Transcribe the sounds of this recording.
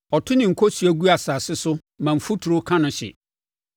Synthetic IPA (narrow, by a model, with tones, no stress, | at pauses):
ɔ˨tʰʊ˦nɪ̃˨ŋ̩˨kʰɔ˦si˨˦æ˦ɡu˦a˨saː˨sɪ˦sʊ˦ | mã˨m̩˨fu˦tʰu˨ɾʊ˦kʰã˦nʊ̃˨ɕɪ̰˨